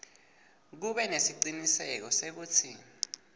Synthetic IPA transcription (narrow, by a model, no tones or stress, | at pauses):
k̬uɓɛnesiǃinisɛk̬ɔsek̬uːt͡sʰi